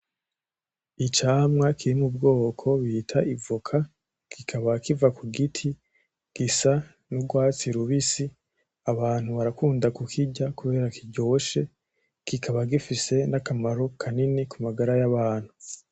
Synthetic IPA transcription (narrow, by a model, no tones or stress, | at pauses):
it͡ʃaːmŋakʰiɾimubɡo̞ːkʰo̞βitʰaʔivukʰa | kʰikʰaβakivakuɡitʰi | ɡ̥isa | nuɡwaːt͡siɾuβisi | aβaːn̥huβaɾakuːndakukʰiɟakuβe̞ːɾakʰiɟo̞ːʃe̞ | kikʰaβaɡifise̞nakamaɾokʰaninikumaɡaɾajaβaːn̥hu